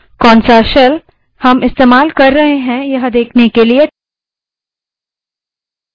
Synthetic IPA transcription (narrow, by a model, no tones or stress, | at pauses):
kɔːnsaːʃəl | hɐmɪst̪eːmaːlkɐɾːɐɦeɦɛ̃jɐɦd̪eːkʰnekelie